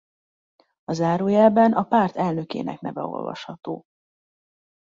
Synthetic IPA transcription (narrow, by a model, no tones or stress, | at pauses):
ɒzaːɾoːjɛlbɛnɒpaːrt̪ɛlnø̞kḛːnɛ̰knɛvɛ̰o̞̰lvɒ̰ʃhɒt̪oː